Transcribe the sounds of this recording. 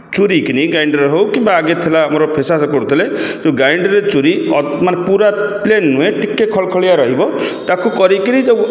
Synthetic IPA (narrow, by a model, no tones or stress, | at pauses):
t͡ʃuɾikiniɡajɳɖɾɦowkimbaːɡet̪ʰilaamɔɾɔpʰesasɔkoɾt̪ʰiletoɡajɳɖɔɾet͡ʃuɾiɔmanepuɾaplenːuẽʈikːekʰɔɭkʰɔɭijaɾɔɦibɔt̪akukɔɾikinie